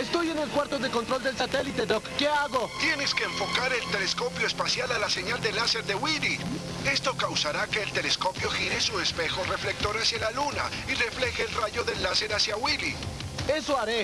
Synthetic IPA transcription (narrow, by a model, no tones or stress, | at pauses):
est̪o̞je̞ne̞lkwaɾt̪o̞ðeko̞nt̪ɾo̞ld̪e̞lsat̪e̞lit̪e̞d̪okːe̞aɣo̞t̪je̞ne̞ske̞ːɱfo̞kaɾe̞lt̪elesko̞pjo̞espasjalalase̞ɲald̪elase̞ɾðe̞wili | e̞st̪o̞kawsaɾake̞ːlt̪e̞lesko̞pjo̞xiɾesuespe̞xo̞re̞fle̞k̚t̪o̞ɾasjalaluna̰ | ire̞fle̞xeːlraʝo̞ðe̞lːase̞ɾasjawili | e̞so̞aɾe̞